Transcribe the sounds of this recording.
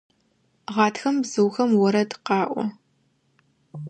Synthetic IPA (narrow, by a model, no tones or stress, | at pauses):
ʁɑːtxɐmbzɨwxɐmwɔɾɐdqɑːʔʷɔ̰